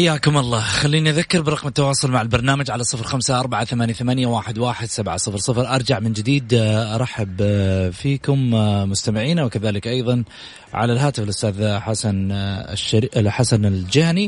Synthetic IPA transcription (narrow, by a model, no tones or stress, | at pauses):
ħajːaːkʊmʔɑlˤːɑːxalːiːniʔaðakːɪɾbɪɾˤɑqmɪt̪ːawɑːsˤʊlmaʕalbɑɾˤnaːmad͡ʒʕalasˤɨfɾxamsaʔɑɾˤbaʕaθamaːnjaθamanjawaːħɪd̪waːħɪd̪sabʕasˤɨfɾsˤɨfɾʔɑɾˤd͡ʒaʕmɪnd͡ʒɪd̪iːd̪ʔɑɾˤɑħːabfiːkʊmmʊst̪amɪʕiːnawɪkaðaːlɪkʔɑjðˤɑn | ʕa̰lalɦaːt̪ɪfɪlʔʊst̪aːðħasanʃħasanɪld͡ʒahni